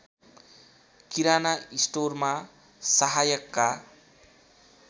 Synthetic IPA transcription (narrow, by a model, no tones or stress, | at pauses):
kiɾanaisʈorma | saɦajʌkːa